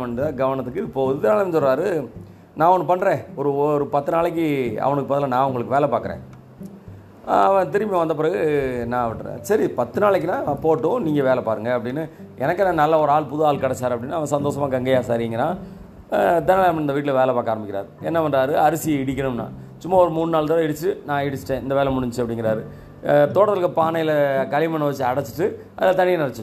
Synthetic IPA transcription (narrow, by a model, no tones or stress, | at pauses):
ɐnɯt̪ãːɡɐʋɐɳɐt̪ːɯkːɯɪpːoːðɯd̪ɐnaːlɐmnsɔlɾaːɾɯ | nãːɔnːpɐɳːɾẽːɔɾɯɔɾɯpɐt̪ːɯnaːɭɛk̬ːɯɐ̰ʋɐɳɯkːɯpaːt̪ɪlaːnãːʊŋɡɐɭɯkːɯʋeːlɐpaːkɯɾḛ̃ː | ɐʋɛ̃t̪ɪɾɪmjɐ̃ʋɐnd̪ɐp̬ɪɾɐɣɯnãːʈsɐɾipɐt̪ːɯnaːɭɛk̬ːnãːpoːʈːõniːŋɡɐʋeːlɐpaːɾɯŋɡɐːpːɽɪnːɯʔɛnɐkːɐnanɐlːɐɔɾɯaːɭpʊðɯaːɭkɐɽɐt͡ʃːaːɾɐpːɐɽɪnːɯɐʋɐ̃sɐnd̪oːsɐmaːɡɐŋɡɐjaːsaːɾɪŋɡɐnːaː | ɐd̪ɐnaːɭɐɐpːɐɽnɪnɐʋiːʈ̬ːɪlɐʋeːlɐpaːkaːɾɐmbɪkʲːɪɾa̰ːɾɯɛnːɐʋɐndɾaːɾɯɐɾɯsɪjɐɪɽɪk̬ʲːɐɳɯmnã̰ː | t͡ʃʊmːaɔɾɯmuːnːɯnaːɭt̪ɐːlɪɽɯt͡ʃːɯnãːɪɽɯt͡ʃːɯ̥ʈːẽːɪnd̪ɐʋeːlɐmʊɽʊɲd͡ʒt͡ʃːɯɐpːɐɽɪŋɡɪɾaːɾɯ | t̪oːɽɐɯkːɐpaːnɐjɪlɐkɐlɪmɐɳːɐʋɐt͡ʃːɯɐɽɐt͡ʃːɯ̥ʈːɯ | ʔɐðɪlɐt̪ɐɳɪjɐnɪɽɐt͡ʃːɯ